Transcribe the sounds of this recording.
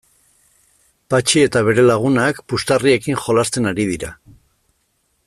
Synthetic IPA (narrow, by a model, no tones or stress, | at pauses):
pat͡ʃie̞t̪aβe̞ɾe̞laɣ̞unakpust̪arie̞kiŋxo̞last̪e̞naɾið̞iɾa̰